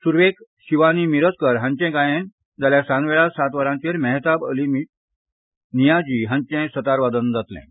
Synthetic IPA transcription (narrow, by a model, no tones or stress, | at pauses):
suɾʋekɕiʋanimiɾət͡skəɾɦãɲt͡ɕɛ̃kajẽn | d͡zaljasãnʋeɭasat̪ʋaɾãɲt͡ɕeɾmɛɦt̪abəlimi | nijad͡ʑiːɦãɲt͡ɕɛ̃sət̪aɾʋad̪ənd͡zat̪lɛ̰̃